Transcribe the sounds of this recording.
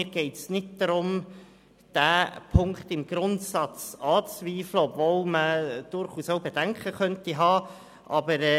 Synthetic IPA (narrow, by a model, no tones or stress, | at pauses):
mɪːɾɡ̥ɛɪtsnɪt̚d̥ɑɾʊm | d̥æːpʰʊŋktɪmɡ̥ɾʊntsɑt͡sɑːt͡sviːfləɔbvolməd̥ʊɾχuːsoʊbed̥æŋkʰχəχœntiɦɑː | ʔɑbəɾɛ